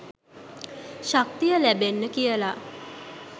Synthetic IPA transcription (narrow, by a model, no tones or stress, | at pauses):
ʃak̚t̪ijəlæbenːəkijəla